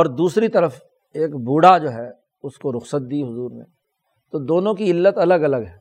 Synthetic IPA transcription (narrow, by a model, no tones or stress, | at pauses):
ɔːɾd̪uːsɾit̪ɐɾəf | eːkbuːɽad͡ʒoːɦɛ | ʊskoɾʊxsət̪̚d̪iːɦʊzuːɾnḛ | t̪od̪oːnõkiɪlːət̪ɐləɡɐləɡɦɛː